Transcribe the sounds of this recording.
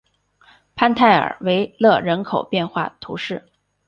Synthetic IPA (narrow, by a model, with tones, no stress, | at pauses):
pʰa˥nt̪ʰa˥˩ɪə̰˞˨˩we˧˥ɪlɤ˥˧ɻə˧˥nkʰo˨˩ʊpjɛ˥˧nxwa̰˥˩t̪ʰṵ˧˥ʂɻ̩˥˩